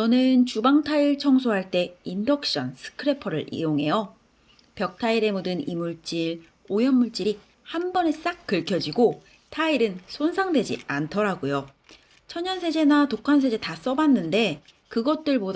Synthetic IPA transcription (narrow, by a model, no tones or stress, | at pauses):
t͡ɕʌnɯnt͡ɕubaŋtʰaiɭt͡ɕʰʌŋs̬ʰoɦaɭt͈e̞indʌk̚ɕ͈ʌnsʰɯ̥kʰɯɾe̞pʰʌɾɯɾḭoŋɦe̞jʌ | pjʌk̚tʰaiɾe̞mudɯnimuɭt͡ɕ͈iɾ | ojʌmːuɭt͡ɕ͈iɾi | hanbʌne̞s͈ak̚k͈ɯɭkʰjʌd͡ʑiɡo | tʰaiɾɯnsʰonsʰaŋdwe̞d͡ʑḭantʰʌɾaɡojo | t͡ɕʰʌɲːʌnsʰe̞d͡ʑe̞natokʰans̬ʰe̞d͡ʑe̞tas͈ʌbanːɯnde̞ | kɯɡʌt̚t͈ɯɭbod